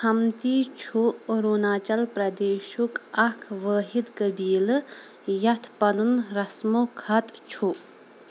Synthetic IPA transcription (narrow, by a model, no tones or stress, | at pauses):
kʰɐmt̪it͡ʃʰuɾoːnaːt͡ʃɐlpɾɐd̪eːʃukɐkʰʋəːɦid̪kɐbiːlɨ | jɐt̪ʰpɐnunɾɐsmokʰɐt̪t͡ʃʰu